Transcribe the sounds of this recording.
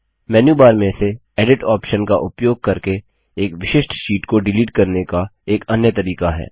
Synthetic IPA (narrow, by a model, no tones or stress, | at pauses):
mɛːnjuːbaːɾmẽse | ɛːɖɪʈaːpʃənkaʔʊpjoːɡ̚kɐɾke | eːkʋɪʃɪʃʈʃiːʈkoɖɪliːʈkɐɾnekaeːkɐnjət̪ɐɾiːkaɦɛ̰ː